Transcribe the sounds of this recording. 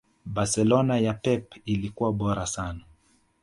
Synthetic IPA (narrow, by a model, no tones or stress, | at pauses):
basɛlɔnajapɛpilikuwaɓɔɾasana